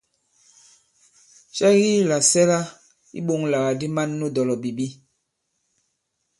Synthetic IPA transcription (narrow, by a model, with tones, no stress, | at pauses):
ʃa˦ɣi˦la˨sɛ˦la˦ | ḭ˦ɓo˦˨ŋla˨ɣa˨di˦ma˦nːu˦dɔ˨lɔ˨bi˨bi˦